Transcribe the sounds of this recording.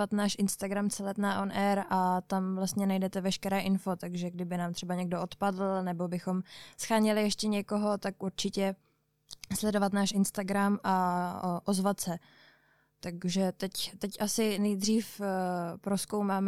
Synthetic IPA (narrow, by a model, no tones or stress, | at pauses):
at̪naːʃʔɪnst̪aɡɾamt͡sɛlɛt̪naʔonʔɛɾʔat̪amvlast̪ɲɛnajdɛt̪ɛvɛʃkɛɾɛːʔɪnfo̞t̪aɡʒɛɡdɪbɪnaːmt̪r̥ɛbaɲɛɡdoʔot̪padl̩nɛbo̞bɪxo̞msxaːɲɪlɪjɛʃcɛɲɛko̞ɦo̞t̪akʔuɾt͡ʃɪcɛ | slɛdo̞vat̪naːʃʔɪnst̪aɡɾamʔaʔozvat̪sɛ | t̪aɡʒɛt̪ɛct̪ɛcʔasɪnɛjd̪r̝iːfpɾo̞skowmaːm